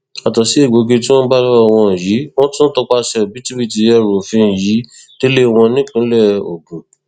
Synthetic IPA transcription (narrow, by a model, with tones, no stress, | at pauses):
a˨tɔ˨si˨˦e˦˨ɡ͡bo˨ɡe˧tĩ˦w̃ɔ̃˦ba˦ɾɔ˦ɔ˧w̃ɔ̃˧˨ji˨˦w̃ɔ̃˦tũ˦n̩˦tɔ˧k͡pa˧ʃɛ˧˨bi˦tu˦bi˦˨ti˧ɛ˦˨ɾo˨fĩ˧˨ji˨˦ | de˦le˦w̃ɔ̃˧nĩ˦k͡pũ˨˦lɛ˦˨o̰˨ɡũ˨